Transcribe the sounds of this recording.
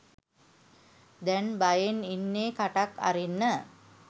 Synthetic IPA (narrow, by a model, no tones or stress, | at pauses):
d̪ɛnbajeninːeːkaʈaka̰ɾinːə